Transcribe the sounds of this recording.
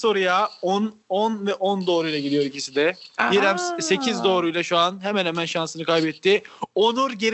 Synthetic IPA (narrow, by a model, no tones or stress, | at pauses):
so̞ɾujaonɔnvɛʔɔnd̪o̞ːɾujlˠaɟilijo̞ɾicʰisid̪ɛjiɾɛmse̞cʰizd̪o̞ːɾujlˠaʃuanɦemɛnhemænʃansɯnɯkʰajbɛt̪ːɪonuɾɟeɾ